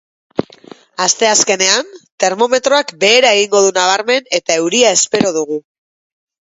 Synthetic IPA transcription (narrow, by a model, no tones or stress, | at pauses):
ast̪e̞aske̞ne̞ant̪e̞ɾmo̞me̞t̪ɾo̞akbe̞ːɾae̞ɣ̞iŋɡo̞ð̞unaβ̞aɾme̞ne̞t̪ae̞wɾiae̞spe̞ɾo̞ðuɣ̞u